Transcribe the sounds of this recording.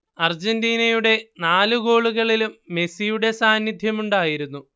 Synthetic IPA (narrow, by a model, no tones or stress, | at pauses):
ɐrd͡ʑendiːnɐjuɽe̞naːluɡo̞ːɭuɣɐɭilumːe̞sijuɽe̞saːnjid̪ʱjɐmuɳɖaːjiɾunːu